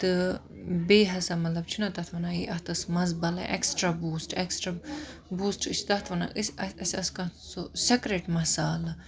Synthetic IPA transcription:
t̪ɨ | beːɦɐsamɐt̪lɐbt͡ʃʰunat̪ɐt̪ʰʋɐnaiʔɐht̪ɐsmɐzbɐla̰ʔeksʈɾabuːsʈeksʈɾabuːsʈɨt͡ʃʰt̪ɐt̪ʰʋɐna̰ʔɨsʲɐɐsʲɐskɐ̃t̪ʰsusekɾeʈmɐsaːla

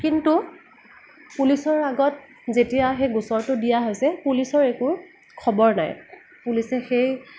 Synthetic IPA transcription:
kintu | pulisɔɹaɡɔt̚ | zetijaxejɡusɔɹtʊdijaɦojsɛpulisɔɹeku | kʰɔbɔɹna̰j | pulisɛxej

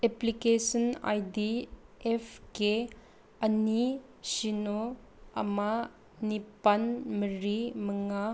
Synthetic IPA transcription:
eplikesɔna̰jdiepʰke | ɐni | sino | ɐ̰ma | nipɐnməɾiməŋa

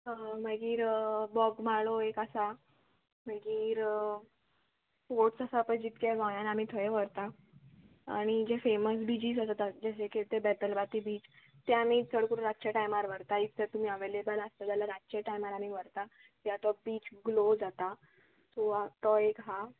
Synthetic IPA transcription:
m̤əɡiːɾbɔɡmaɭoekasa | m̤əɡiːɾ | foʈsasapə̃d͡ʑit̪kaʋãjãnamiːt̪ʰɔjeʋəɾt̪a | a̰ɽ̃id͡ʑefeməsbid͡ʑiːzat̪at̪ad͡ʑəɕekʰeɭt̪ebɛt̪əlbat̪iːbiːt͡ɕ | t̪eamiːt͡sʰəɽkuɾuɾaɕaʈajmaɾʋəɾt̪ait̪ʰːet̪um̤iːəʋelebələst̪ad͡ʑ̪alaɾat͡ɕeʈajmaɾam̤iːʋəɾt̪a | t̪jat̪ɔbiːt͡ɕɡlod͡zat̪a | suat̪ɔekɦa

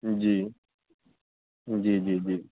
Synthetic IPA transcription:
d͡ʒi | n̩d͡ʒid͡ʒid͡ʒi

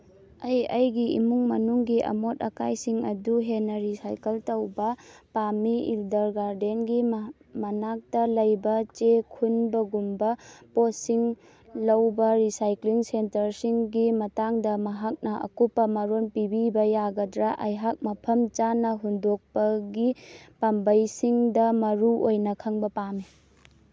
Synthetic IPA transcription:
ɐjɐjɡiḭmuŋmɐnuŋɡiʔɐ̰motɐkajsiŋɐduɦenːɐɾisajkɐltɐwbɐpamiḭldɐɾɡaɾdenɡi | mɐnak̚tɐlɐjbɐt͡ʃekʰunbɐɡumbɐposiŋ | lɐwbɐɾisajkliŋsentɐɾsiŋɡimɐtaŋdɐmɐɦak̚nɐʔɐ̰kupːɐmɐɾonpibibɐjaɡɐdɾaʔɐjɦak̚mɐpʰɐmt͡ʃanɐɦundok̚pɐɡipambɐjsiŋdɐmɐɾuʔojnɐkʰɐŋbɐpami

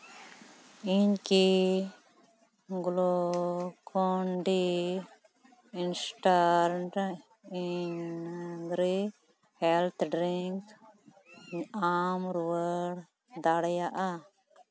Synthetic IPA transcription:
iɲki | ɡlokʰɔɳɖi | insʈaɾɳʈ | iɲ | ɾi | hɛlt̪ʰɖɾiŋk | amɾuəɽ | d̪aɽjaʔa

